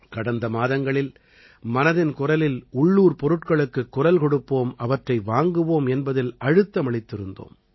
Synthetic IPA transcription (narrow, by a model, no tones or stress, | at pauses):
kɐɽɐnd̪ɐmaːðɐŋɡɐɭɪl | mɐnɐðɪnkʊrɐlɪlʊɭːuːɾpɔɾɯʈkɐɭɯkːɯkːʊrɐlkɔɽɯpːoːmɐʋɐʈrɐɪʋaːŋɡɯʋoːmɛnbɐðɪlɐɻɯt̪ːɐmɐɭɪt̪ːɪɾɯnd̪o̰ːm